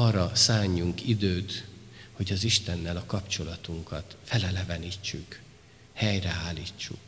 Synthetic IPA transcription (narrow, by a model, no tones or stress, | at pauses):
ɒrɒsaːɲːuŋkid̪øːt̪ho̞ɟɒziʃt̪ɛnːɛlɒkɒpt͡ʃo̞lɒt̪uŋkɒt̪fɛlɛlɛvɛnit͡ʃːyk | hɛjrɛaːliːt͡ʃːṵk